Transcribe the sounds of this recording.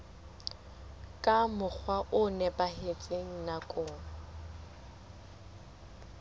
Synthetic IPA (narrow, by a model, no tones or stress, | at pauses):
kʼamʊk͡xʰwaʔʊnɛpʼahet͡sʼeŋ̩nakʼʊːŋa